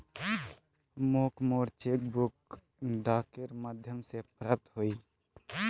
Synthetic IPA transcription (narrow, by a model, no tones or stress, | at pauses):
moːkmoɾt͡ʃek̚bʊk̚ | ɖaːkəɾmad̪ʱjəmsepɾaːp̚t̪ɦoi